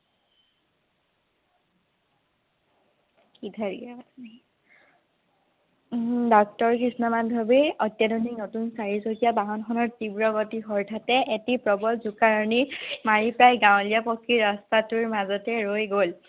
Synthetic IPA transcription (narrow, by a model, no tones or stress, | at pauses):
kidʰʱaɹiɡɛa | dɔk̚tɔɹkɹisnɔmadʱɔbiɔtjadɔniknotunsaɹizoɡijabaɦɔnxʰɔnɔɹtibɹɔɡɔtixɔɹtʰatɛʔetipɹɔbɔlzukaɹɔnimaɹipɹajɡaw̃lijapɔkʰːiɹɔstatuɹmazɔtɛɹojɡol